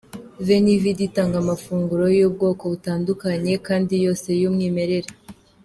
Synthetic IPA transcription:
venividitaːŋɡamafuːŋɡuɾo̞job̚ɡo̞ːko̞βutaːndukaɲe̞kaːndijo̞ːse̞jumŋiːme̞ɾe̞ɾe

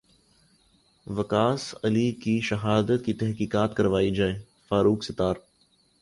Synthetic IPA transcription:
ʋɐkaːsɐlikiʃɐɦaːd̪ət̪kit̪ɛɦkiːkaːt̪kɐɾʋaːid͡ʒaːeː | faːɾuːksɪt̪aːɾ

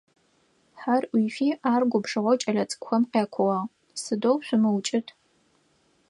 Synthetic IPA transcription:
ħarwiːfiːʔaːrɡʷʊbʂɨʁʷɔwt͡ʃʼɐɮɐt͡sʼkʷxɐmqjaːkʷʰʊwɑːʁ | sɨdowɕʷʊmɨwt͡ʃʼɪtʰ

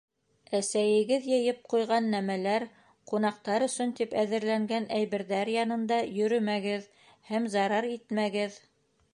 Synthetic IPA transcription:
æsæjɘ̆ɡɘðjɤ̆jɤp̚qujʁɑnːæmælæɾ | qunɑqt̪ɑɾɵ̆sɵnt̪ipæðɘ̆ɾlæŋɡænʔæjβɘ̆ɾðæɾjɑnɤ̆nd̪ɑjɵ̆ɾɵmæɡɘð | hæmzɑɾɑɾit̪mæɡɘð

